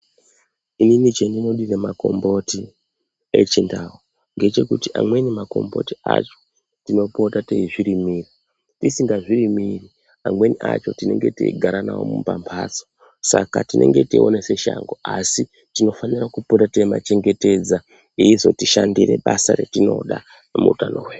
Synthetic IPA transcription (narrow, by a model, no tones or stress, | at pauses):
ininit͡ʃendino̞ɗire̞mako̞̰mbo̞ti | e̞̰t͡ʃindawo | ŋɡe̞t͡ʃe̞kutiʔamwe̞nimako̞̰mbo̞̰tia̰t͡ʃo̞̥ | tino̞po̞tateiʐiɾimiːri | tisiŋɡaʐirimiri | amwe̞niʔat͡ʃo̞tine̞̰ŋɡe̞tḭiɡʱaɾanawo̰mṵpa̰mpʰaːt͡so̥ | sakatinʔe̞̰ŋɡe̞tio̞̰nese̞ʃa̰ŋɡoasi | tino̞fanirakupotateima̰t͡ʃe̞ŋɡe̞te̞d͡za | iizo̞tiʃandire̞ɓasa̰ɾe̞̰tino̞̰ɗa | mṵutanoweː